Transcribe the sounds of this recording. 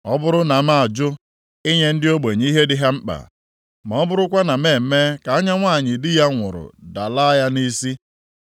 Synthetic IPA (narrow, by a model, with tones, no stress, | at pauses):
ɔ˦bʊ˦ɾʊ˦na˨ma˦a˨d͡ʒʊ˦ | ɪ˦ɲe˦n̩˦dɪ˦o˦ɡ͡be˨ɲ˦i˦ɦe˦dɪ˦ɦa˦m̩˦k͡pa̰˨ | m˨ɔ˦bʊ˦ɾʊ˦kʷa˦na˨meː˦˨me˦ka˨a˦ɲa˦ŋʷa˦˨ɲɪ˨dɪ˦ja˦ŋʷʊ̰˨ɾʊ̰˨da˨la˦ja˦ni˦si˦